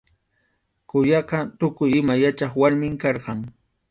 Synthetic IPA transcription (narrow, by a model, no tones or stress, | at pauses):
kʊjɑqɑt̪ʊkʊjɪmajat͡ʃɑχwaɾmɪŋkɑɾqɑŋ